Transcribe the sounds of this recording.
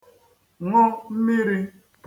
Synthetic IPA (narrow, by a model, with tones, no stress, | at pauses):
ŋɔ˦m̩˦mi˦ɾi˦